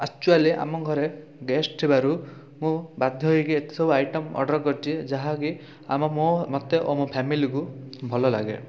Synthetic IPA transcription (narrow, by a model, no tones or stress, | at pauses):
ak̚t͡ʃualiʔa̰mɔɡʱɔɾe | ɡesʈʈ̪ʰibaɾu | mũbad̪ʱjɔɦjkiet̪e̥sɔbuajʈɔmɔ̰ɾɖɔɾkɔɾt͡ʃʰid͡ʒaɦãki | a̰mɔmõmɔt̪eʔomũpʰɛmilikubʱɔlɔla̰ɡḛ